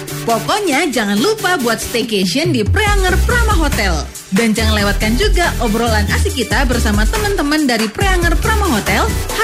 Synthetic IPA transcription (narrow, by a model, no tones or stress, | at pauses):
pokɔɲad͡ʒaŋanlupabuat̪̚st̪eked͡ʒiəndipɾeaŋərpəɾamaɦot̪ɛl | dand͡ʒaŋanlewat̪̚kand͡ʒuɡaʔɔbɾolanasikit̪abərsamat̪əmənt̪əməndaɾipɾeaŋərpɾamaɦot̪ɛlh